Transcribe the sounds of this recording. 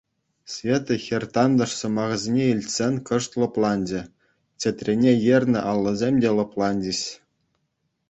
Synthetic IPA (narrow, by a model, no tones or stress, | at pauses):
sʲvʲet̪ɤ̆xʲerʲt̪ɑnd̪ɤ̆ʂsɤ̆mɑʁzʲenʲeilʲtʲsʲenʲkɤ̆ʂt̪lˠɤ̆plˠɑnʲd͡ʑɘ̆ | t͡ɕʲĕt̪ʲrʲenʲejerʲnʲɘ̆ʔɑlˠːɤ̆zʲemʲdʲelˠɤ̆plˠɑnʲd͡ʑiɕ